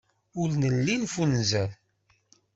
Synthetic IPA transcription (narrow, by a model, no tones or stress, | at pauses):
ʊɾnəlːinfunzæl